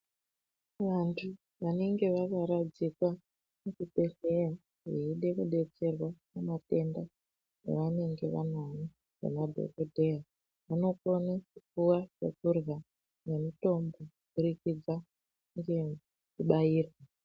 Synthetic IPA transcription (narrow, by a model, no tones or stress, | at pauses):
ʋantʰu | ʋane̞ŋɡe̞ʋakaɾad͡zikwa | mukupe̞ɬeja | ɦeiɗe̞kuɗe̞t͡se̞rwakamate̞nda | nḛʋane̞ŋɡe̞ʋa̰nani | ʐḛnadʱo̰kodʱeja | ʋano̞konakup͡fuwat͡ʃḛkurɣa | ne̞mito̞mbo̞ | kuɾikid͡za | ŋɡe̞ | uɓaiːrwa